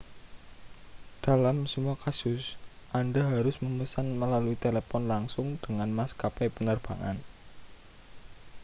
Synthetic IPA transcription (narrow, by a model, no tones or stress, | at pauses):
d̥a̤lamsəmuakasʊsʔandaɦaɾʊsməməsanməlaluit̪elepɔnlaŋsʊŋd̥əŋanmaskapepənərb̥a̤ŋa̰n